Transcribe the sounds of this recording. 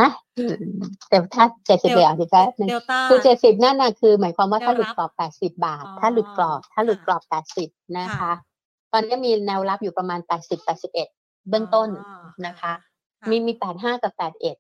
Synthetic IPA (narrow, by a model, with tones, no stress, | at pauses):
ʔa˧˩ʔɯː˧˩t̪e˨˩t̪ʰaː˥˩t͡ɕe˨˩t̪̚si˨˩p̚ʔe˨˩ʔaː˨˩t͡ɕi˨˩t͡ɕɛ˧˩nɯ˨˩ŋkʰɯː˧t͡ɕe˨˩t̪̚si˨˩p̚naː˥˩na˧˩kʰɯː˧mɯ˨˩˦ənkʰwaː˧mwaː˥˩t̪ʰaː˥˩lu˨˩t̪̚klɔː˨˩ppːɛː˨˩t̪̚si˨˩p̚baː˨˩t̪ʰːaː˥˩lu˨˩t̪̚klɔː˨˩p̚t̪ʰːaː˥˩lu˨˩t̪̚klɔː˨˩ppːɛː˨˩t̪̚si˨˩p̚na˦˥kʰa˦˥ | t̪ɔː˧nːi˦˥ɐmiː˧nɛː˧wla˦˥p̚juː˨˩pɾa˧maː˧npɛː˨˩t̪̚si˨˩pːɛː˨˩t̪̚si˨˩p̚ʔe˨˩t̪̚ | bɯ˥˩əŋt̪o˥˩nna˦˥kʰa˦˥ | miː˧miː˧pɛː˨˩t̪̚ɦaː˥˩ka˨˩pːɛː˨˩t̪̚ʔe˨˩t̪̚